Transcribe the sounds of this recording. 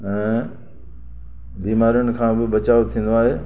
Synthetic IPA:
ɛ̃ː | biːmaːɾijʊnɪ̆kʰãːbɪbɐt͡ɕaːot̪ʰĩːn̆d̪oaːɦeː

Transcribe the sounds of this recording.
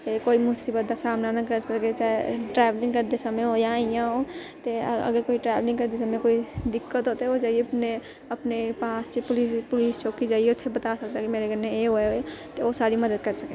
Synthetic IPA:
t̪ekoimʊsibəd̪asamnanakəɾsəket͡ʃaeʈɾablĩŋɡkəɾd̪esamẽojaijãɦo | t̪eə̰ɡəɾkoːiʈɾablɪ̃ŋɡkəɾd̪esamẽkoid̪ɪkːət̪ɦot̪eod͡ʒaːijeəpne | əpnepaːst͡ʃepʊlispʊlist͡ʃokid͡ʒaːijeot̪ʰebət̪asək̚t̪akimeɾeɡəɾneeɦoeoet̪eosaɾiməd̪əd̪̚kəɾsəke

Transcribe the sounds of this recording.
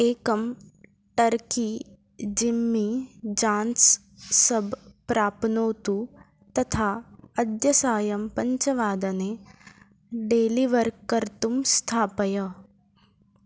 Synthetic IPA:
eːkɐm | ʈɐɾki | d͡ʒimːid͡ʒãːns | sɐbʱpɾaːpnoːt̪u | t̪ɐt̪ʰaːɐd̪jɐsaːjɐmpɐ̃ɲt͡ʃɐʋaːd̪ɐne | ɖeːliʋɐɾkkːɐɾt̪umst̪ʰaːpɐjɐ

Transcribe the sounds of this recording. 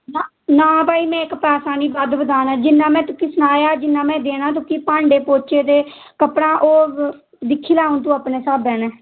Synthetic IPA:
na | nãːbaːiːmɛ̃ːɪkpɛːsaːniːbad̪bəd̪aːnaːd͡ʒɪnːãːmɛ̃ːt̪ʊkːiːsʊnaːjaːd͡ʒɪnːãːmɛ̃ːd̪eːnãːt̪̬ʊkiːpãːɳɖeːpoːt͡ʃeːd̪eː | kəpɽãːʔoː | d̪ɪkʰːiːlaːʊnt̪̬ũːaːpneːsaːbɛ̃ːneː

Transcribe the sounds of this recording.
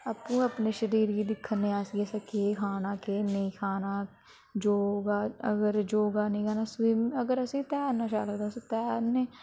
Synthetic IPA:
apũːəpneːʃəɾiːɾiːd̪ɪkʰːənːẽːaːsiɡesakeːkʰaːnaːkeːnəĩːkʰaːnaː | d͡ʒoːɡaːəɡəɾd͡ʒoːɡaːnəĩːkʰaːnaːsʋiːməɡəɾəsĩːt̪ɛːɾnaːʃa̰ːləɡd̪ãːst̪ɛːɾneː

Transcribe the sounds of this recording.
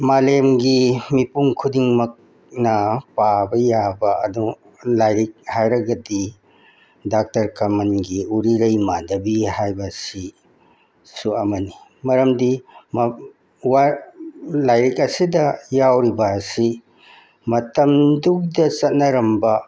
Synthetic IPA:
malemɡimipuŋkʰudiŋmɐk̚ | nɐpabɐjabɐɐdu | lajɾik̚hajɾɐɡɐdi | dak̚tɐɾkamɐnɡiuɾiɾɐjmadɐbihajbɐsi | suɐmɐni | mɐɾɐmdim | wa | lajɾikɐsidɐjawɾibɐsi | mɐtɐmduk̚dɐsɐt̚nɐɾɐmbɐ

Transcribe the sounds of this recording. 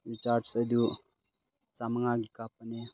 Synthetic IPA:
wit͡ʃaːʈsəd̪ju | t͡saməŋaɡikapəne

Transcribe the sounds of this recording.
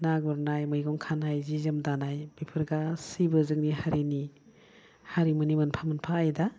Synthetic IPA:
naɡɔɾnajmɯjɡɔŋkʰanhajzizɯmdanajb̥ipʰɯɾɡasibɯzɯŋnihaɾini | haɾimɯnimɯnpʰamɯnpʰaːjda

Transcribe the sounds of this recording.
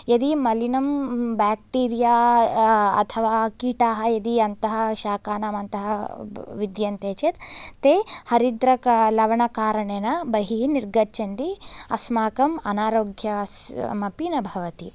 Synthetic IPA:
jɐd̪imɐlinɐmbaːk̚ʈiːɾijaː | ɐ̰t̪ʰɐʋaːkiːʈaːɦɐjɐd̪iɐnt̪ɐɦɐʃaːkaːnaːmɐnt̪ɐɦɐʋid̪jɐnt̪eːt͡ʃet̪t̪eːhɐɾid̪ɾɐklɐʋɐɳɐkaːɾɐɳeːnɐbɐɦiniɾɡɐt͡ʃʰɐnd̪iɐsmaːkɐmɐnaːɾoːɡʱjɐmɐpinɐbʱɐʋɐt̪i

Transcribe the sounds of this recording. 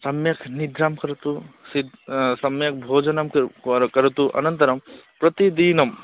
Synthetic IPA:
sɐmjɐkʰnid̪ʱɾaːmkɐɾɐt̪usid̪sɐmjɐk̚ʰbʱoːd͡ʒɐnɐmkkɐɾɐt̪uʔɐ̰nɐnt̪ɐɾɐmpɾɐt̪id̪iːnɐm

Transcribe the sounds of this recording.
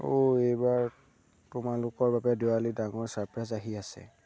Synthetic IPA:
oejbaɹ | tʊmalʊkɔɹbabɛdealidaŋɔɹsaɹpɹazaɦiasɛ̰

